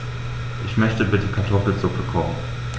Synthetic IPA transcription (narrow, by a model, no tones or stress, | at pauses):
ʔɪçmœçtəbɪtʰəkʰaɐtʰɔfl̩zʊpəkʰɔmən